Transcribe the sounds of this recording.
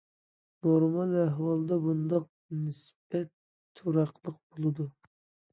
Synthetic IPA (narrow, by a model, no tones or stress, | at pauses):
noɾmɑnæɦwɑlˠd̪ɑbund̪ɑq̚ | nɪsb̥ɛt̪ʰː | uɾɑqlˠəq̚bolˠɨd̪u